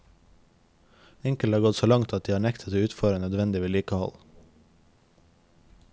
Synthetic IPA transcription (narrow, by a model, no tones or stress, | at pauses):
ɪŋkəlhɑːɡɔt̪soːlɑŋt̪ʰɑt̪̚d̪iːhɑːɳɛkt̪ʰət̪ʰɪʉːt̪fœɾənœd̪ʋɛnd̪ɪʋeːliːkəhɔ̰l